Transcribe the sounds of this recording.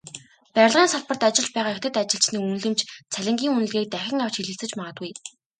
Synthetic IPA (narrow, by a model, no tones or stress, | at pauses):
pæɾʲɪ̆ɮʁiːnsaɮpə̆rt̪at͡ɕɪ̆ɮ̥t͡ɕpæːʁaːexʲt̪ʰɘ̆t̪at͡ɕɪ̆ɬt͡ɕniːkunɮɘ̆mt͡ɕt͡sʰæɮʲɪ̆ŋɡʲiːŋunɘ̆ɮɣeːk̚t̪æxʲɪ̆ŋaw̥t͡ɕxiɮɘ̆ɬt͡sɘ̆t͡ɕmaʁə̆t̪ɡuj